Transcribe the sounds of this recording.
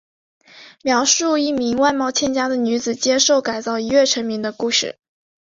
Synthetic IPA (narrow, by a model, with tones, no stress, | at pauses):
mjɑ˧˥ʊʂu˥˧i˥˩mi˧˥ŋwa˥˧ɪmɑ˥˧ʊt͡ɕʰjɛ˥˩nt͡ɕja˥d̪ə˨ny˧˥d͡zɹ̩˨˩t͡ɕjɛ˥ʂo˥˩ʊka˨˩ɪt͡sɑ˥˩ʊi˧˥ɥɛ˥˩ʈ͡ʂʰə˧˥ŋmi˧˥ŋd̪ə˧ku˥˧ʂɻ̩˥˩